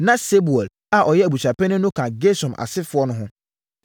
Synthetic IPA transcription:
nã˦se˦bu˨ɛ˨l | a˨ʔɔ˨jɛ˦æ˨bu˨t͡ɕʰᶣa˨pʰɛ˦nʊ̃˦nʊ̃˦kʰã˨ɡe˦sɔ̃˨mʔa̰˨sɪ˦fʊ˨˦ɔ˦nʊ̃˦ɦʊ̃˦

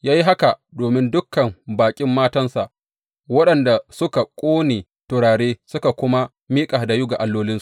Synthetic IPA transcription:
jaː˦ji˦ɦa˦ka˨doː˨mɪ˦ndʊ˦kːɐ˨mbaː˨kʲʼɪ˦mːaː˦tɐ˦nsa˨ʔ | wɐ˦ɗɐ˨nda˨sʊ˦ka˨kʷʼoː˦neː˨ | tʊ˨ɽaː˨ɽeː˦sʊ˦ka˨kʷʊ˦ma˦ | miː˦kʼa˨da˨jʊ˦ɡa˨ʔa˨lːoː˦lɪ˦su˨ʔ

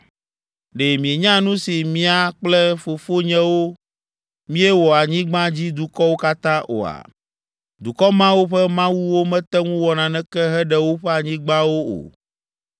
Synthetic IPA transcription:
ɖe˨mĩ˨e˨ɲã˦nũ˦si˨mĩ˦a˨k͡plɛ˦fo˨fo˦ɲɛ̃˦wo˦ | mĩ˦ɛ˦wɔ˨a˨ɲĩ˦ɡ͡bã˦d͡ʑi˦d̪u˨kɔ˦wo˦ka˦t̪ã˦ʔo̰˨a̰˨ | d̪u˨kɔ˦mã˦wo˦ɸɛ˦mã˦wu˦wo˦mɛ̃˦t̪ɛ˦ŋũ˦wɔ˨nã˨nɛ̃˦kɛ˦ɦɛ˦ɖɛ˦wo˦ɸɛ˦a˨ɲĩ˦ɡ͡bã˦wo˦o̰˨

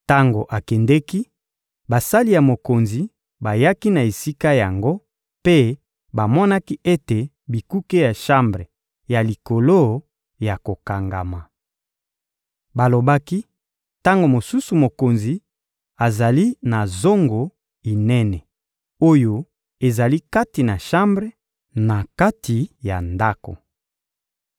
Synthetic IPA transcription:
ta˦ŋɡo˨ʔa˨kɛ˨ndɛ˦ki˦ | ba˨sa˦li˨ja˨mo˨ko˨nzi˨ | ba˨ja˦ki˦na˨e˨si˦ka˦ja˨ŋɡo˦ | pe˦ | ba˨mɔ˦na˦ki˦ʔe˦te˨ | bi˨ku˦ke˦ja˨ʃa˦mbʁe˨ | ja˨li˨ko˨lo˦ | ja˨ko˨ka˨ŋɡa̰˨ma˨ | ba˨lo˨ba˦ki˦ | ta˦ŋɡo˨mo˨su˦su˨mo˨ko˨nzi˨ | a˨za˨li˦na˨zo˦ŋɡo˨ | i˨nɛ˦nɛ˨ | o˦jo˦ | e˨za˨li˦ka˦ti˨na˨ʃa˦mbʁe˦ | na˨ka˦tʰi˨ja̰˨nda˦ko̰˨

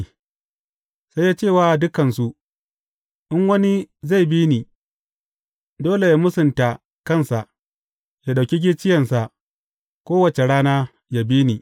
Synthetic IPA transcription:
sa˦jːaː˦t͡ʃeː˦˨waː˨dʊ˦kɐ˨nsu˦ | ʔɪ˦ŋwɐ˦ni˦za˦˨jbiː˦niː˨ | doː˦le˨jaː˦mʊ˦sʊ˨nta˨ | kɐ˦˨nsa˨ʔ | ja˨ɗa˨kʲi˦ɡʲi˦t͡ʃɪ˦jɐ˨nsa˨ʔ | kʷoː˦wɐ˨t͡ʃe˨ɽaː˦naː˦ | ja˨biː˦ni˨

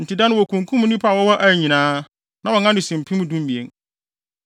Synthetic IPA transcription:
n̩˨tʰi˨dã˦nʊ̃˦wɔ˨kʰũ˨ŋkʰũ˦m˦nĩ˦pʰa˦˨wɔ˦wɔ˦ʔæ˨ɲĩ˨nãː˦ | nã˨wɔ˨ŋã˦nʊ̃˨sĩ˨m̩˨pʰĩ˦mũ˦dũ˦m˦bi˨ḛ˦n

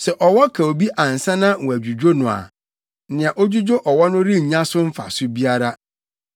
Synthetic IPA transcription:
sɛ˨ʔɔ˨wɔ˦kʰa˨o˨bi˦ʔã˨n̩˨sã˦nã˦wɔ̃˨æ˨d͡ʑᶣu˨d͡ʑᶣo˦nʊ̃˨a̰˨˦ | nɪ̃˨a˨ʔo˦d͡ʑu˦d͡ʑo˦ʔɔ˨wɔ˦nʊ̃˦ɾi˦ɲ̩˨ɲã˦sʊ˦m̩˦fa̰˨sʊ˦bi˦a˦ɾa˦

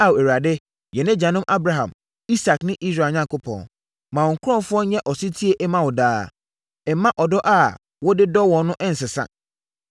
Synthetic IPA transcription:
a˦we˨wɾa˨dɪ˦ | jɛ˨nɪ̃˦d͡ʑã˨nʊ̃˦mʔa˦bɾa˨ɦã̰˨m | i˦sa˨knɪ̃˦ʔi˦sɾa˨ɲã˦ŋkʊ˦pʰɔ̰̃˨n | mã˨ɔ˨ŋ̩˨kʰʊ˦ɾɔ̃˦˨fʊ˦ɔ˦ɲɛ̃˦ʔɔ˨si˦tʰi˦e˦ʔɛ˦mã˦wɔ˨daː˦ | ɛ˨˦mːã˦ʔɔ˨dɔ˦ʔa˦˨ | wɔ˦dɪ˦dɔ˦wɔ̃˨n˦nʊ̃˦ʔɛ̃˦n̩˨sɪ˨sã̰˨

